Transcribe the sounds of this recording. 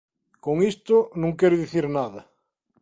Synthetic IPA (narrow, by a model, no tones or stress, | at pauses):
koŋist̪onũŋkeɾoðiθiɾnaðɐ